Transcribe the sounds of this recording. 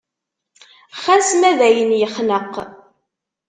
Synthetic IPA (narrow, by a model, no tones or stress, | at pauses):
χæsmæðæjənjəχnəqː